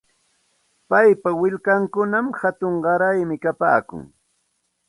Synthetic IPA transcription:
pajpawɪʎkaŋkʊnamhat̪ʊɴɢɑɾajmɪkapa̰ːkʊ̰ŋ

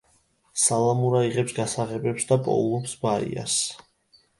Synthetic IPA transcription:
salˠamuɾaiʁɛpsɡasaʁɛbɛpsd̪apʼɔ̰ulˠɔpsbaḭa̰s

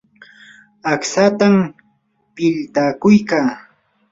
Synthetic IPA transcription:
aksat̪am | pɪʎt̪akʊjkaː

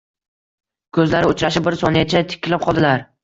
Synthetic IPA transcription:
kʰɵzlaɾɪʊt͡ʃɾaʃɪbɪɾsɒnɪjat͡ʃʰat̪ʰɪ̥kʲːɪlɪp̚qʰɒlˠd̪ɪlaɾ

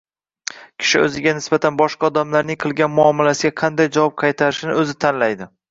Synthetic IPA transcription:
kʲʰɪ̥ʃɪɵ̰zɪɡʲanɪsbat̪ʰanbɒʃqʰɑːd̪amlaɾnɪŋqʰɨlˠɡʲanmʊɒmɪlasɪɡʲaqʰɑnd̪ajd͡ʒavɒp̚qʰɑjt̪ʰaɾɪʃɪnɪɵzɪt̪ʰanlajd̪ɪ

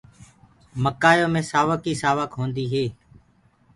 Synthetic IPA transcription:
məkaːjõːmẽːsaːʋəkiːsaːʋəkɦõːnd̪iːɦeː

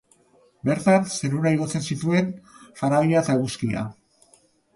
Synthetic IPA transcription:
be̞ɾt̪anse̞ɾuɾaiɣo̞t͡se̞nsit̪ue̞nfaɾaβiaet̪aeɣuskia̰

